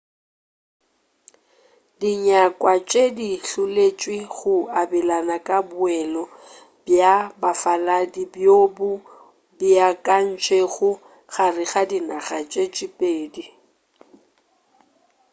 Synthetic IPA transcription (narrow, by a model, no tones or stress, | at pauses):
diɲakʼwat͡ʃʼediɬʊlet͡ʃʼwiɣʊabɛlanakʼabʊɛlɔ | bjabafaladibjobʊ | bjakʼan̩t͡ʃʼeɣʊ | ɣarɪɣadinaɣat͡ʃʼet͡ʃʼipʼeːdi